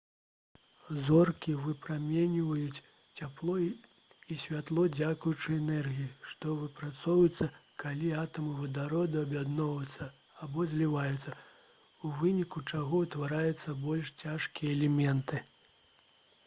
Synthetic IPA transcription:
zɔrkʲivɨpɾamʲɛnʲivɐjut͡sʲ | t͡sʲaplˠɔ | isʲvʲat̪lˠɔd͡zʲakujut͡ʂɨɛnɛrɣʲijiʂt̪ɔvɨpɾat̪sɔwjut̪sːɐkalʲiat̪ɐmɨvɐd̪aɾɔd̪ɨɐbʲjad̪nɔvɐt̪sːɐ | abɔzʲlʲivajut̪sːɐ | uvɨnʲikut͡ʂaɣɔut̪vaɾajut̪sːɐbɔlʲʂt͡sʲaʂkʲijɛɛlʲɛmʲɛnt̪ɨ

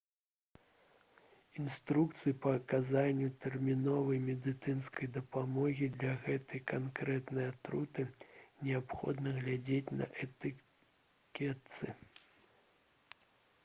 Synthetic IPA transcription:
inst̪ɾukt̪sɨjipɐːkazanʲːut̪ɛrmʲinɔvɐjmʲɛd̪ɨt̪sɨnskɐjd̪ɐpamɔɣʲid̪lʲɐɣɛt̪ɐjkankɾɛt̪nɐjat̪ɾut̪ɨnʲɛapxɔ̰d̪nɐɣlʲad͡zʲet͡sʲnɐ̰ʔɛt̪ɨ | kʲɛt̪sɨ

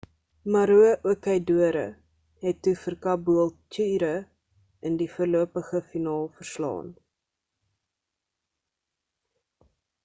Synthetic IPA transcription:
mɐɾuəʔuəkəjduəɾə̰ | ɦɛtːufərkɐbuəlˠtyːɾə | ʔəndifuərluəpəχəfinɑːlˠfərslɑ̰ːn

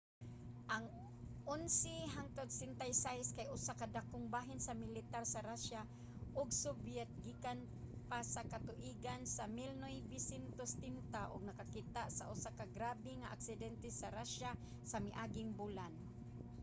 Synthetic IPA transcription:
ʔaŋ | ʔʊnsɪɦaŋt̪od̪sɪnt̪ajsajskajʔʊsakad̪akʊŋbaːɦɪnsamɪlɪt̪aɾsaɾaʃa | ʔʊɡsʊbjɛt̪̚ɡikan | pasakat̪ʊʔiɡansamɪlnojbɪsɪnt̪ost̪ɪnt̪aʔʊɡ̚nakakit̪aʔsa̰ʔʊsakaɡɾaːbɪŋaʔa̰ksɪd̪ɛnt̪ɛsaɾaʃa | samɪʔaːɡɪŋbulan

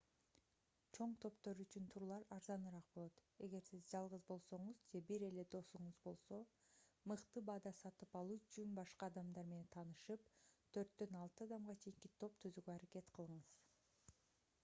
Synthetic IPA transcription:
t͡ʃʰo̞ɴt̪ʰo̞pt̪o̞ɾyt͡ʃynt̪ʰuɾlˠɑɾɑɾzɑnɯɾɑq̚bo̞lˠo̞t̪e̞ɡe̞ɾsizd͡ʒɑlˠʁɯzbo̞lˠso̞ɴuzd͡ʒe̞biɾe̞le̞d̪o̞suɴuzbo̞lˠso̞mɯqt̪ɯbɑd̪ɑsɑt̪ɯpɑlˠuːt͡ʃʰynbɑʃqɑːd̪ɑmd̪ɑɾme̞ne̞nt̪ʰɑnɯʃɯp̚t̪ʰø̞ɾt̪d̪ø̞nɑlˠt̪ɯɑd̪ɑmʁɑt͡ʃʰe̞jiŋkit̪ʰo̞p̚t̪ʰyzyɡøɑɾake̞t̪qʰɯlˠɯɴɯz̥

